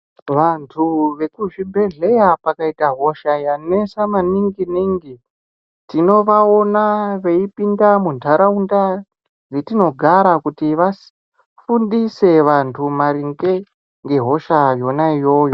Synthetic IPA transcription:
ʋantʰuʋe̞kuʐibʱe̞ɮe̞japakaitaɦo̞ʃajanesamaniŋɡiniŋɡi | tino̞ʋao̞naʋe̞ipindamuntʰaɾaunda | d͡zetino̞ɡʱaɾakutiʋas | fundise̞ʋantʰumaɾiŋɡe | ŋɡe̞ɦo̞ʃajo̞naijo̞jo

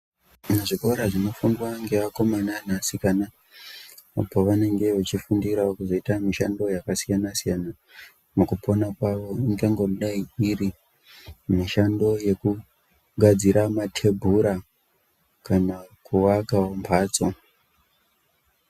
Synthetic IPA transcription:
neʐikoɾaʐino̞fundwaŋɡe̞ʋako̞mananasikana | a̰po̞ʋane̞ŋɡe̞ʋat͡ʃifundiɾaokuzo̞itamiʃando̞jakasijanasijana | mukupʰo̞nakwaʋo̞iŋɡeŋɡoruɗaiiri | miʃando̞je̞ku | ɡʱad͡ziɾamatʰe̞bʱuɾa | kanakuwakaompʰaːt͡so

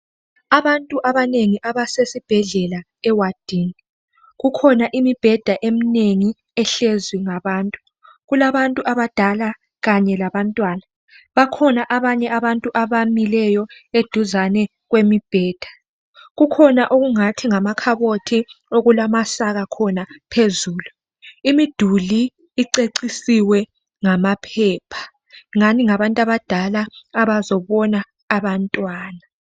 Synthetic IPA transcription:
aβantʼuʔaβaneŋiʔaβasesib̥ʱɛɮɛla | ɛwad̥ʱini | ɣukʰɔnaʔimib̥ʱɛd̥ʱaʔemineŋi | ɛɬezwiŋaβaːntʼu̥ | ɣulaβantʼuʔaβad̥ʱala | ɣaɲɛlaβantʼwaːna | βakʰɔnaʔaβaɲɛʔaβantʼuʔaβamilɛjɔed̥ʱuzanɛ | ɣwemib̥ʱɛːd̥ʱḁ | ɣukʰɔnaʔoɣuŋatʰiŋamakʰaβotʰioɣulamasaɣakʰɔnapʰezuːlu | imid̥ʱuliː | ǀeǀisiwɛ | ŋamapʰɛːpʰḁ | ŋaniŋaβantʼaβad̥ʱalaːβazɔβɔnaː | βantʼwaːna

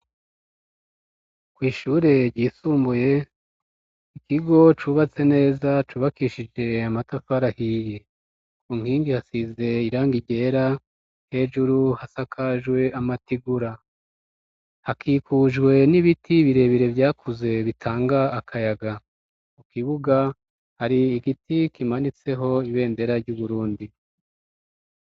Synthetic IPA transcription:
kwiːʃuːɾe̞ɾɟiːsuːmbuje̞ | ikiɡo̞t͡ʃuβat͡se̞ne̞ːzat͡ʃuːβakiʃid͡ʒe̞amatafaɾahije | uŋ̥hiːŋɡihasize̞iɾaːŋɡiɟe̞ːɾa | he̞ʒuɾuhasakʰaʒwe̞amatiɡuɾa | hakʰiːkuʒɡwe̞niβitʰiβiɾe̞βiɾe̞vjaːkʰuze̞βitʰaːŋɡaːkʰajaɡa | mukiβuɡa | haɾiːɡitikimanit͡se̞ɦo̞iβe̞ːnde̞ɾaɾɟuβuɾuːndi

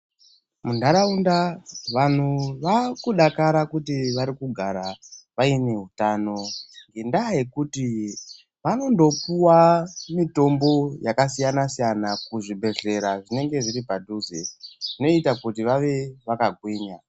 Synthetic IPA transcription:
mundaɾaundaʋan̤uʋakuɗakaɾakutiʋaɾikuɡʱaɾaʋaine̞ɦutano̞ŋɡendaje̞kuti | ʋano̞ndo̞puwamito̞mbo̞jakasijanasijanakuʐibʱe̞ɮe̞ɾaʐine̞ŋɡe̞ʐiɾipadʱuzeʐino̞itakutiʋaʋe̞ʋakaɡʱwiːɲa

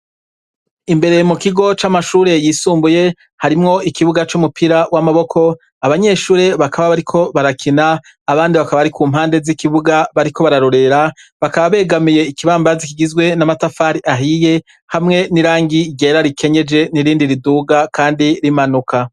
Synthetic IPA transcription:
imbe̞ɾe̞mukiɡo̞t͡ʃamaʃuːɾe̞jiːsuːmbuje̞ | haɾimŋo̞ʔikiβuɡat͡ʃumupʰiɾawamaβo̞kʰo̞ | aβaɲe̞ʃuːɾe̞βakʰaβaβaɾikʰo̞βaɾakʰinaː | βaːndiβakaβaβaɾikuːmhaːnde̞zikiβuɡaβaɾikʰo̞βaɾaɾo̞ɾe̞ɾaβakaβaβe̞ːɡamije̞ikiβaːmbazikiɡizɡwe̞namatafaɾiʔaɦije̞ | hamŋe̞niɾaːŋɡiɡeːɾaɾikʰe̞ɲe̞d͡ʒe̞niɾiːndiɾiduːɡakʰaːndiɾimanuka

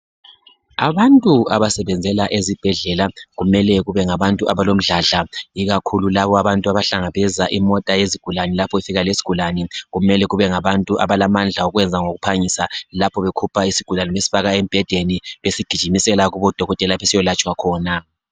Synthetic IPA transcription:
a̰βantʼuaβasɛβɛnd͡zʱɛlaʔezib̥ʱɛɮɛlaɣumɛlɛɣuβɛŋaβantʼuʔaβalom̩ɮaɮaiɣakʰululaβɔaβantʼuaβaɬaŋaβɛzaʔimɔtʼajeziɡ̥ʱulanɛlapʰɔifiɣalesi̥ɡ̥ʱulanɛɣumɛlɛɣuβɛŋaβantʼuʔa̰βalamand͡ɮʱaoɣwɛnd͡zʱaŋoɣupʰaɲisalapʰɔβekʰupʰaisi̥ɡ̥ʱulaniβesi̥faɣaem̩b̥ʱɛd̥ʱeniβesiɡ̥ʱid̥ʒ̥ʱimisɛlaɣuβɔd̥ʱɔɣɔtʼɛlaβesijɔlat͡ʃʼwakʰɔːna

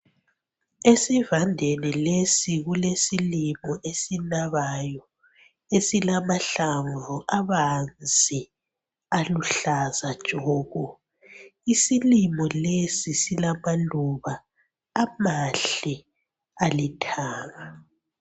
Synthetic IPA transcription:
esivandʱenɛlesiɣulesilimɔʔesinaβajɔ | esilamaɬaɱvuʔaβand͡zʱi | aluɬazad̥ʒ̥ʱɔːɣɔ | isilimɔlesisilamaluβaː | maɬi | alitʰaːŋa

